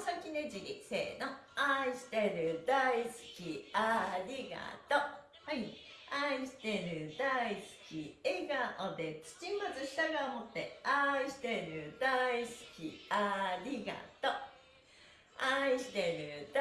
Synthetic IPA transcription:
sakʲined͡ʑiɡʲisḛːnoaiɕi̥t̪eɾɯ̟d̪aisɨ̥kʲiaɾʲiɡa̰t̪o | hai | aiɕi̥t̪eɾɯ̟d̪aisɨ̥kʲieɡaʔod̪e̞t͡sɨ̥t͡ɕimazɨɕi̥t̪aɡamot̪ːe̞aiɕi̥t̪eɾɯ̟d̪aisɨ̥kʲiaɾʲiɡa̰t̪o | aiɕi̥t̪eɾɯ̟d̪

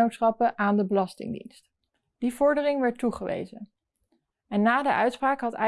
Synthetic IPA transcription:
owtsχɑpəʔaːndəbəlɑstɪ̰ŋdḭnst | d̥ivɔɹdərɪŋʋɛɹtuχəʋḛjzə | ɛnːaːdəʔœɥtspraːkɦɑtɛ

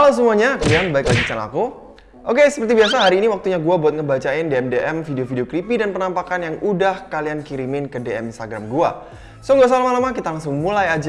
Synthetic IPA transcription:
kalos̬əmuaɲakulianbaɪklaɡit͡ʃana̰ku | ʔokesə̥pərt̪ibiasaɦaɾiːniwak̚t̪uɲaɡuabuat̪̚ŋəbat͡ʃaɪndeɛmdeʔɛmfideofideokɾipidanpənampakanjaŋudahkaliankiɾimɪnkədeɛminst̪aɡɾamɡua̰ | soŋɡas̬alamalamakit̪alaŋs̬ʊŋmulajad͡ʒa

